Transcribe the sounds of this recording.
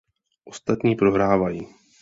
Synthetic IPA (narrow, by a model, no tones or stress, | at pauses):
ʔo̞st̪at̪ɲiːpɾo̞ɦɾaːvajiː